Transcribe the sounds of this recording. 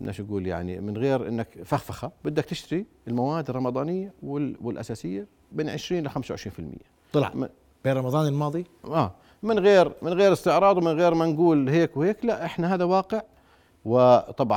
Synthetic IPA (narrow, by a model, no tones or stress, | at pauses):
nʔa̰ʃaɡuːlja̰ʕnḭmɪnɣeːɾʔɪ̰nːakfaxfaxabɪd̪ːak̚t̪ɪʃt̪aɾi | ɪlmawaːd̪rˤɑmɑd̪ˤɑːnɪjːawɪwɪlʔa̰saːsɪjːa | beːnʕɪʃɾiːnɪlɪxamsawʕɪʃɾiːnfɪlmɪ̰jːaˤlʕm | b̥eːnɾˤɑmɑðˤɑːnɪlmɑːðˤi | ʔaː | mɪnɣeːɾmɪnɣeːɾɪst̪ɪʕɾˤɑːd̪ˤwmɪnɣeːɾmanɡuːlheːkwheːklaʔʔɪħnaɦaːðawɑːqɪʕ | wɪt̪ˤɑbʕ